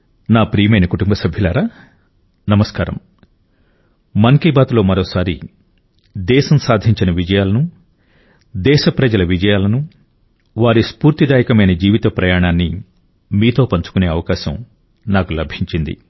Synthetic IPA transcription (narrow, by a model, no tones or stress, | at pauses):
naːpɾiːjmɐjnɐkuʈumbɐsɐbʱjulaːɾaː | nɐmɐskaːɾɐ̰m | mɐŋkibaːt̪lo̞ːmɐɾoːsaːɾi | d̪ɛːʃɐmsaːd̪ʱiɲt͡ʃinɐʋid͡ʒɐjaːlɐnu | d̪ɛːʃɐpɾɐd͡ʒɐlɐʋid͡ʒɐjaːlɐnu | ʋaːɾispuːɾt̪id̪aːjɐkɐmɐjnɐd͡ʒiːʋit̪ɐpɾɐjaːɳaːnːi | miːt̪o̞ːpɐɲt͡ʃu̥kune̞ːɐʋɐkaːʃɐm | naːkulɐbʱiɲt͡ʃind̪ḭ